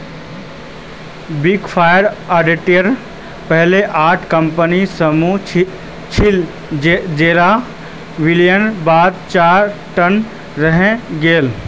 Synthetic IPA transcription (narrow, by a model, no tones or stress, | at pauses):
biɡfʰaːjəɾaːɖiʈijəɾ | pəɦleʔaːʈʰkɐmpənisəmu | t͡ʃʰɪ | d͡ʒeːɾa | ʋɪljənbaːd̪̚t͡ʃaːɾʈɐn | ɾɐɦẽɡeːl